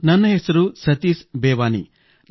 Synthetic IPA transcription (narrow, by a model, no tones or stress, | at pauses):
nɐnːɐɦesɐɾusɐt̪iːsbeːʋaːnḭ